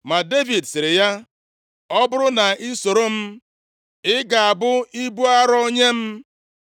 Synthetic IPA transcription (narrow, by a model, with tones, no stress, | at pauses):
ma˨de˦vi˨dsɪ˨ɾɪ˨ja˦ | ɔ˦bʊ˦ɾʊ˦na˨i˦so˨ɾo˦m̩˦ | ɪ˦ɡa˨a˨bʊ˦i˦bu˦a˦ɾɔ˦o˦ɲe˦m̩˦